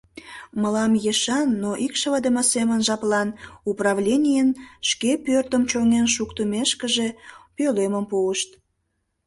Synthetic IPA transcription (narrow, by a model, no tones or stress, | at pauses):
məlɑmjeʃɑnːoʔikʃəvəd̪əməsemənʒɑplɑnuprɑvlʲenʲijənʃkepørt̪əmt͡ɕoŋenʃ̬ukt̪əmeʃkəʒe̽pøleməmpuəʃt̪̚